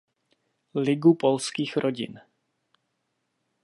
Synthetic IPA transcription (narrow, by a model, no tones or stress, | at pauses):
lɪɡupolskiːxɾʔoɟɪ̰n